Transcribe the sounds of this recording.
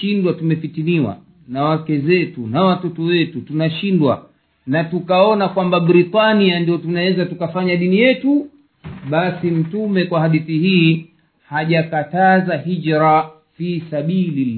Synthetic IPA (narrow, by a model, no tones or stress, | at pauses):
ʃindwatumɛfitiniwa̰ | nawakɛzɛtunawatɔtɔwɛtutunaʃindwa̰ | natukaɔnakwambabɾitaniandiɔtunawɛzatukafaɲaɗinijɛtu | ɓasim̩tumɛkwahaɗiθihiː | haʄakatazahid͡ʒɾa | fisaɓili